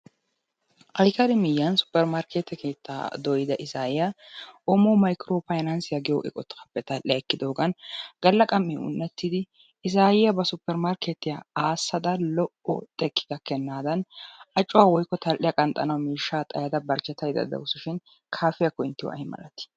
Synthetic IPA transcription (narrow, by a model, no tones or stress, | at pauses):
ʔɐjkɐɾɪmɪjːɐnsʊ̥pːɛɾmaɾkʰeːt̪ːɛkʰe̞ːt̪ːa̰ːd̪ɔjɪd̪ɐʔɪsaːjɪjɐʔɔmoːmɐjkɾoːfɐjnɐnsɪjɐɡɪjoʔɪ̰kʼɔt̪ːɐpːɛt̪ɐlʔɪjɐɛkːɪd̪oːɡɐnɡ̥ɐlːɐkʼɐmːɪʊ̰nːɛt̪ːɪd̪ɪ | ɪs̬aːjɪjɐbɐsʊpːɛɾmaɾkeːt̪ːɪjaaːsːɐd̪ɐlɔʔɔ̰t̪ʼɛkːɪ̥d̪ɐkːɛnːaːd̪ɐnʔɐt͡ʃʼːʊwaːwɔjkːɔt̪ɐlʔɪjɐkʼɐnt̪ʼːɐnɐwmiːʃːaːt̪ʼɐjɐd̪ɐbɐɾt͡ʃːɛt̪ːɐjd̪ɐ̰d̪ɐ̰wʊsʊʃɪn | kʰaːfɪjɐkːɔɪnt̪ːɪwɔ̰ʔɐ̰jmɐ̰lɐt̪ɪ̥